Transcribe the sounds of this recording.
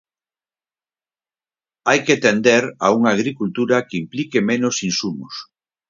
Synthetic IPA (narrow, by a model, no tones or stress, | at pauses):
ajkeat̪end̪eɾa̰uŋaːɣɾikult̪uɾɐkeimplikemẽnosinsumʊs